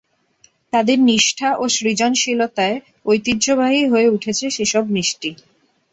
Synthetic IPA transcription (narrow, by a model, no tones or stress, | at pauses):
t̪ad̪eɾniʃʈʰaʔoʃɾid͡ʑonʃilot̪ae | ojt̪id̪d͡ʑʱobaɦiɦoeuʈʰet͡ɕʰeʃeʃɔb̚niʃʈi